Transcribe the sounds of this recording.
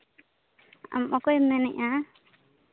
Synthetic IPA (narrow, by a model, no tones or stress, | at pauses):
a̰mɔkɔjmɛnɛʔa